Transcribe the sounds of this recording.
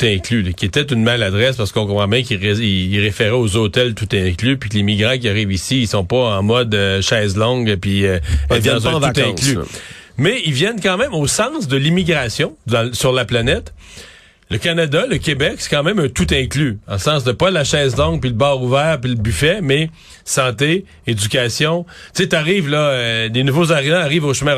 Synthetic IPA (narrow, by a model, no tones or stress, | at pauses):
t̪ɛ̃klyləkʲiet̪ɛt̪ynmalad̪ʁɛspaʁsə̥kɔ̃kɔ̃pʁɑ̃bjɛ̃kiʁeiiʁefeʁɛozot̪ɛlt̪ut̪ɛ̃klypɥikəlimiɡʁɑ̃k̬ʲiaʁiːvisiilsɔ̃pɔɑ̃mɔd̪əʃɛːzlɔ̃ɡpiɛlvjɛ̃d̪z̃ukt̪ɛ̃kly̰mɛilvjɛnkɑ̃ːmɛ̃mosɑ̃sd̪əlimiɡʁasjɔ̃ɑ̃syʁlaplanɛt̪ | ləkanad̪aləkʲebɛksɛ̥kɑ̃mɛ̃mœ̃t̪ut̪ɛ̃klyd̪ɑ̃sɑ̃sd̪əpʌlaʃɛːzlɔ̃ŋ̚piləbɑːʁuvɛːʁpiləbyfɛmɛ | sɑ̃ːt̪e | ed͡zykʲasjɔ̃t̪t͡set̪aʁiːvlʌlenuvozaʁivãaʁiːvoʃmɛ̃